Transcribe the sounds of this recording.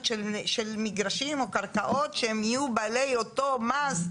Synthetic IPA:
ʃelʃelmiɡʁaʃimo̞kaʁkaʔo̞tʃehemijubalejo̞to̞maz

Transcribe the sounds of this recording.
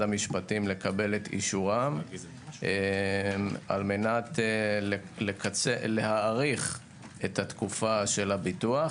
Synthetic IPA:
amiʃpatimle̞kabe̞let̪ḭʃuʁam | e | a̰lme̞nat̪l | lekat͡selehaʁiχ | ethatkufaʃe̞labitua

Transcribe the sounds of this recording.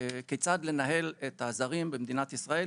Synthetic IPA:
ket͡sad̪le̞naɦe̞let̪azaʁimbemd̪inat̪isʁae

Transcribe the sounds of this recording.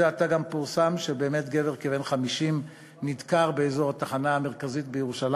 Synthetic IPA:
ataɡampuʁsamʃebeemetɡe̞veʁkeve̞nχamiʃim | nid̪kaʁbeezo̞ʁat̪aχanaːme̞ʁkazit̚bejeʁuʃal

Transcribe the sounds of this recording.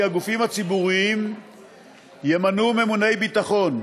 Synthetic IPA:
aɡufimhat͡sibuʁiim | jemanume̞mune̞jbit̪aχo̞n

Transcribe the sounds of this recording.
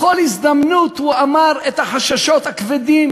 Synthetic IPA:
olhizd̪amnut̪huamaʁet̪haħaʃaʃo̞t̪hakved̪im

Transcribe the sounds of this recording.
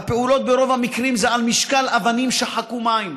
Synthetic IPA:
apeulo̞t̪̚beɾo̞vhamikʁimzeʕalmiʃkalavanimʃeħakumaim

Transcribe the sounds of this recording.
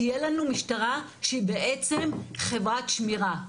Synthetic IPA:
ijelanumiʃtaʁa | ʃeibeʔet͡se̞mχe̞vʁat̪ʃmiʁa

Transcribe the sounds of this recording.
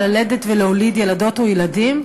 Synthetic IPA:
aledet̪veleolidjelado̞t̪ojeladim

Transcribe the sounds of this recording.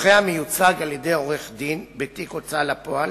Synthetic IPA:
χeamejut͡saɡaljed̪e̞jo̞ʁeχd̪inbet̪ikot͡salapoal

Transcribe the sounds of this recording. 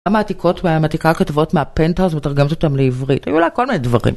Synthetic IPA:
amaːtikʰo̞tmamatikakatavo̞tmeapenthazmetaʁɡemotot̪amleivʁitha̰julajko̞lminedvaʁḭm

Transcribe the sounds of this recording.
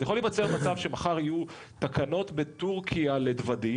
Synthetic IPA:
jaχolievat͡seʁmat͡savʃe̞maχaʁiju | t̪akʰano̞tbe̞t̪uʁkʰiale̞d̪vadi

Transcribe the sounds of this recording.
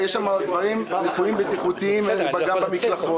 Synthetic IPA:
jɛʃamad̪vaʁimnifuimbet̪iχut̪iimveubaɡabamiklaχo

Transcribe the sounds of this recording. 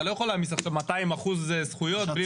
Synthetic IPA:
lo̞jeχolamisaχsemːat̪aimaχuzesχujo̞t̪bli

